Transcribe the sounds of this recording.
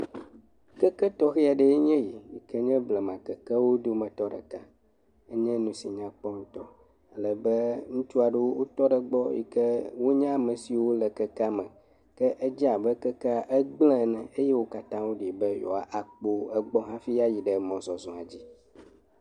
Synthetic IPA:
kɛ˦kɛ˦t̪ɔ˦xi˦a˨ɖɛ˦e˦ɲɛ̃˦ji˨ji˨kɛ˦ɲɛ̃˦blɛ˨mã˨kɛ˨kɛ˦wo˦d̪o˦mɛ̃˨t̪ɔ˦ɖɛ̰˨ka˦ | e˦ɲɛ̃˦nũ˦si˨ɲã˦k͡pɔ˦ŋ̩̃˦t̪ɔ˦ | a˨lɛ˨bɛ˦ŋũ˦t͡ʃu˦a˨ɖe˦wo˦wo˦t̪ɔ˦ɖɛ˨ɡ͡bɔ˦jḭ˨kɛ˦wo˦ɲã˦˨mɛ̃˨si˨wo˦lɛ˨kɛ˦ka˦mɛ̃˨ | kɛ˦ʔɛ˦d͡ʑi˦a˨bɛ˦kɛ˦kʔɛ˦ɡ͡blɛ̃˦˨nɛ̃˨e˦je˦wo˦ka˦t̪ã˦wo˦ɖi˨bɛ˦jɔ̰˨a˨ʔa˨k͡po˦ɛ˨ɡ͡bɔ˦ɦã˦fi˦ja˦ji˨ɖɛ˨mɔ̃˨zɔ˨zɔ̃˨a˨d͡ʑi˦

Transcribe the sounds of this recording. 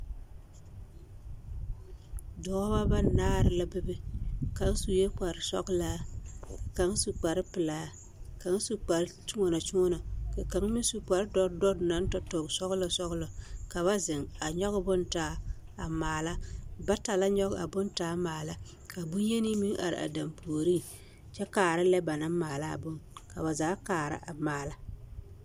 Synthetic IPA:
dɔ˨˦ba˦ba˦˨naː˦˨ɾɪ˨la˦bɪ˦bɨ˦ka˨˦ŋ˦su˨je˦k͡pa˨ɾɪ˨sɔ̰˦ɡlaː˦ | ka˨ŋ˦su˨k͡pa˨ɾɪ˦pɪ˨laː˨˦ | ka˨˦ŋ˦su˦k͡pa˨ɾt͡ʃu˦ŋɔ˦na˨t͡ʃu˦ŋɔ˦na˨ka˨ka˨ŋ˦mi˦ŋ˦su˨k͡pa˨ɾdɔ˦ɾdɔ˦ɾna˨˦n˦tɔ˦tɔ˨ŋ˨sɔ˦ɣlɔ˨sɔ˦ɣlɔ˨ka˨βa˦zɪ˨ŋa˨ɲɔ˦ɣʊ˦bʊ˦ntaː˨˦ | a˨maː˨la˦ba˦ta˨la˦ɲɔ˦ɣa̰˨bʊ˦ntaː˦maː˨la˦ | ka˨bʊ˦je˦ni˦mi˦ŋʔa̰˨ɾɪ̰˨ʔa̰˨da˨mpʰoː˨ɾi˦ | t͡ʃɛ˦kaː˨ɾɪ˦lɛ˦ba˨na˦maː˨la˦a̰˨bʊ˦ŋka̰˨ba˨zaː˨˦kaː˨ɾa̰˦ʔa̰˨maː˨la˦

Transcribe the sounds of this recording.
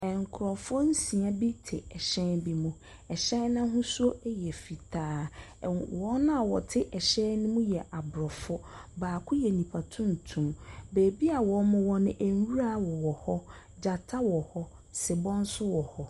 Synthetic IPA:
ɛ˨ŋ˨kʰʊ˨ɾɔ˨fʊ˦n̩˦sĩ˨a˦bi˦tʰɪ˨ɛ˨ɕɛ̃˦nbi˦mũ˦ | ɛ˨ɕɛ̃˦nː˦ã˦ɦʊ̃˦su˦o˦e˦jɛ˨fi˨tʰaː˦ | wɔ˨˦nã˦a˨wɔ˨tʰɪ˦ʔɛ˨ɕɛ̃˦nnːɪ̃˦mũ˦jɛ˨ʔa˨bɾɔ˨fʊ˦baː˨kʰʊ˦jɛ˨nĩ˨pʰa˨tʰʊ̃˦n˨tʰũ˨mbeː˨bi˦a˨wɔ˨˦mʊ̃˦wɔ˦nɪ̃˦ʔe˨n˦wu˦ɾa˦wɔ˨wɔ˨hɔ˦ | d͡ʑa˨tʰa˦wɔ˨hɔ˦ | sɪ˨bɔ̃˦n˦sʊ˦wɔ˨hɔ˦

